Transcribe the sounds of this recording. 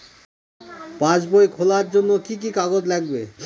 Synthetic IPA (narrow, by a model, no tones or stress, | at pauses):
pãd͡ʑbojkʰolaɾd͡ʑonːokik̬ikaɡod͡ʑlɛɡbe